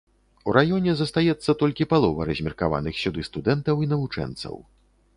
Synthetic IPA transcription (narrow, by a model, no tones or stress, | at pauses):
uɾajɔnʲɛzɐst̪ajɛt̪sːɐt̪ɔlʲkʲipalˠɔvɐ̰ɾɐzʲmʲirkava̰nɨxsʲud̪ɨst̪ud̪ɛnt̪ɐwinɐvut͡ʂɛ̰nt̪sɐ̰w